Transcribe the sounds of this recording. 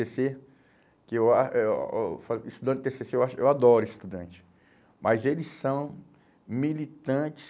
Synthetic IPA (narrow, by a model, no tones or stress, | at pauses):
ese | kɪewaʃɛ̰faist̪ud̪ɐ̃t͡ʃ̚t̪eseseewaʃʊḛwad̪ɔɾʊist̪ud̪ɐ̰̃t͡ʃɪ̥ | mʔajzelɪssɐ̃w̃ | milit̪ɐ̃t͡ʃɪ̥s